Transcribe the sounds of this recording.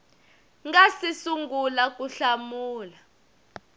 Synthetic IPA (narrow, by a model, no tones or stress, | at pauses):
ŋɡasisuŋɡulak̬ʼuɬamuːla